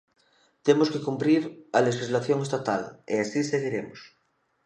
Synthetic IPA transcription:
t̪emoskekumpɾiɾalexizlaθjoŋest̪at̪alḛasiseɣiɾemos

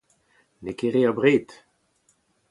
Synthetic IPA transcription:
nekeʁeabʁeːt̪

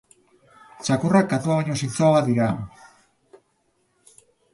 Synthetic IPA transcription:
t͡ʃakurakːat̪uaβaɲos̬int͡s̪oaβaðiɾa

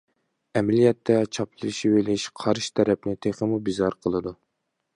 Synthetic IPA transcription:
ɛmɛlijɛt̪ʰːɛt͡ʃʰɑplɨʃiwelɪʃqʰɑɾʃt̪ʰɛɾɛp̚nɪt̪ʰeχəmubizɑɾqʰəlˠɨd̪u

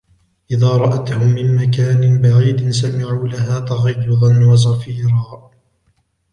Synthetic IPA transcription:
ʔɪðaːɾˤɑʔat̪hʊmːɪnmakaːnɪnbaʕiːd̪ɪnsamɪʕuːlaɦaːt̪ɑɣɑjːʊðˤɑnwɑs̬ɑfiːɾɑː

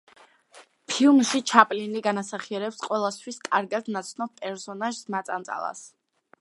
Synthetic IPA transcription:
pʰilˠmʃit͡ʃʰapʼliniɡanasaχiɛɾɛpsqʼwɛlˠast̪ʰwiskʼaɾɡad̪nat̪sʰnɔp̚pʼɛɾsɔnaʒsmat̪sʼansʼa̰lˠa̰s

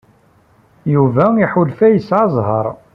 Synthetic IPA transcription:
juvæiħʊlfæjəsʕɑzˤɦɑ̰ɾˤ

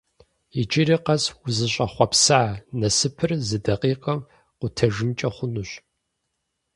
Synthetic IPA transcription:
it͡ʃʼiɾiːqɐswʊzɨɕʼɐχʷɔpsaʕanɐsɨpʰɨrzɨdɐqiːqʼɐm | qʷʊtʰɐʒɪmt͡ʃʼɐχʷʊnuɕ

